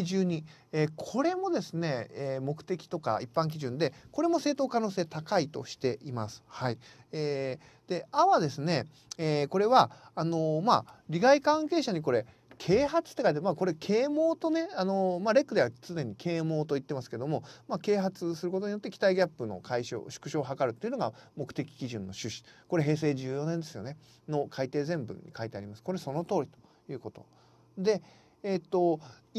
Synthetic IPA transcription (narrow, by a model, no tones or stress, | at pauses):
ʑɨːɲ̟i | ekʰo̞ɾe̞mo̞d̪e̞sɨne̞emo̞kɯ̟̥t̪e̞kʲi̥t̪o̞ka̰ipːãŋk̬ʲiʑɨ̃nd̪e̞ko̞ɾe̞mo̞se̞ːt̪o̞ːkano̞ːseːt̪akait̪o̞̰ɕi̥t̪e̞ʔima̰sɨ̥hai | e | d̪̥e̞aβad̪e̞sɨne̞ | eko̞ɾe̞βaːno̞maɾʲiɡaikãŋke̞ːɕaɲ̟iko̞ɾe̞ | kʰe̞ːɦat͡sɨ̥t̪ːe̞kait̪emako̞ɾe̞kʰe̞ːmo̞ːt̪o̞ne̞ano̞maɾe̞kːɯd̪e̞at͡sɨd̪ẽ̞ɲ̟ikʰe̞ːmo̞ːt̪o̞it̪ːe̞masɨ̥ke̞d̪o̞mo̞make̞ːɦat͡sɨsɨɾɯ̟ko̞t̪o̞ɲ̟ijo̞t̪ːe̞kʲi̥t̪aiɡʲapːɯ̟no̞̰kʰaiɕo̰ːɕɨ̥kɯ̟ɕo̞ːɦakaɾɯ̟t̪ːeiɯ̟noɡa̰mo̞kɯ̟̥e̞kʲi̥kʲiʑɨ̃nːo̞ɕɨɕi̥ko̞ɾe̞ɦe̞ːs̬e̞ːʑɨːjo̞nẽnd̪e̞sɨjo̞ne̞ | no̞kʰait̪e̞ːzẽ̞mbɯ̰ɲ̟ːḭkait̪e̞aɾʲimasɨ̥ko̞ɾe̞so̞no̞t̪o̞ːɾʲit̪o̥ | jɯ̟ːko̞t̪o̞̰ | d̪e̞ː | t̪ːo̞